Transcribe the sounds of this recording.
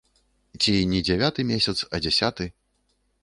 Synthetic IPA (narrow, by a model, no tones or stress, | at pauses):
t͡sʲinʲɛd͡zʲɛvʲat̪ɨmʲesʲɐt̪sɐd͡zʲɛsʲat̪ɨ